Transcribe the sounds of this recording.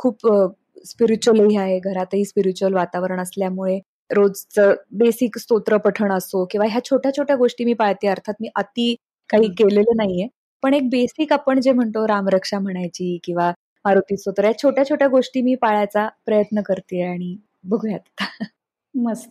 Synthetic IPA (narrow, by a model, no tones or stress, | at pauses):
kʰuːp | spiɾit͡ɕuəliaɦeɡʱəɾat̪əɦiːspiɾit͡ɕuəlʋat̪aʋəɾəɳəsljamuɭe | ɾod͡zt͡səbesikst̪ot̪ɾəpəʈʰəɳəsokĩw̃ʋaɦjat͡ɕʰoʈʰjat͡ɕʰoʈjaɡoʂʈiːmiːpaɭt̪eːəɾt̪ʰat̪̚miːʔət̪iː | kaɦiːkelelənaɦije | pəɳek̚besiːkapəɳd͡ʑem̤əɳt̪oɾamɾəkʂam̤əɽ̃ajt͡ɕiːkĩw̃ʋa | maɾot̪isot̪əɾɦjat͡ɕʰoʈjat͡ɕʰoʈjaɡoʂʈiːmiːpaɭat͡sapɾəjət̪nəkəɾt̪iaɽ̃i | bəɡʱujat̪t̪a | məd͡z